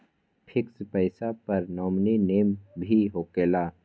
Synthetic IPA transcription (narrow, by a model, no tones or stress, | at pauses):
pʰɪkspɛɪsapɐɾnɔːmnineːmbʱiɦoːkeːlaː